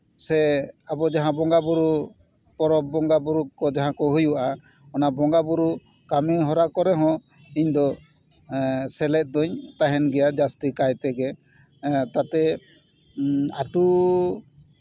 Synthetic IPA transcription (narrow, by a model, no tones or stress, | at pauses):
sɛabɔd͡ʒaɦãbɔŋɡabuɾu | pɔɾɔbːɔŋɡabuɾukɔd͡ʒaɦãkɔɦujuʔa | ɔnabɔŋɡabuɾu | kamiɦɔɾakɔɾɛɦɔ̃ | iɲd̪ɔ | sɛlɛt̪̚ˀd̪ɔɲt̪aɦɛnɡɛjad͡ʒast̪ikajt̪ɛɡɛ | t̪at̪ɛ | aʈu